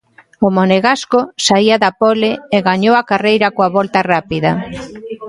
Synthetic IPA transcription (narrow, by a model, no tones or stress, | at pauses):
omoneɣaskosaiaðapoleeɣaɲowakarejɾakoaβolt̪arapiða